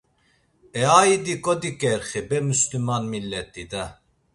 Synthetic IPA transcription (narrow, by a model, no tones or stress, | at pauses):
ɛaːid̪ikʼɔd̪ikʼɛɾχibɛmuslymanmilːɛt̪ʼid̪a